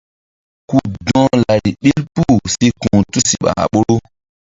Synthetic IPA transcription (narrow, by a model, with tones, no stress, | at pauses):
ku˦dɔ̃˦la˨ɾi˨ɓi˦lpu˦˨si˧kũ˨tu˦si˦ɓa̰˨a̰˨ɓo˦ɾo˦